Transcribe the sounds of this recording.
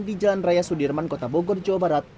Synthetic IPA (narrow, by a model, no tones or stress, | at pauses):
ndid͡ʒalanrajasudirmankot̪abɔɡɔrd͡ʒaabaɾat̪̚